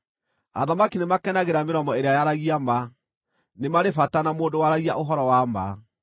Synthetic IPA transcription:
a̰ðamakinemakɛnaɣeɾameɾɔmɔeɾeajaɾaɣiama | nemaɾefatanamoːdowaɾaɣia̰ʔoɦɔɾɔwamba̰

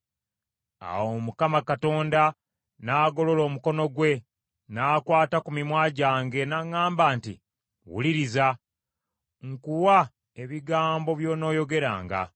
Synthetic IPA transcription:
a̰wo̞mukamakato̞ːnda | naːɡo̞lo̞lo̞ːmuko̞no̞ɡwe̞ | naːkwaːtakumimwaːɟaːŋɡe̞naŋaːmbaːntḭ | wṵliɾiza | ŋkuwa | e̞βiɡaːmbo̞βjo̞ːno̞ːjo̞ɡe̞ɾa̰ːŋɡa̰

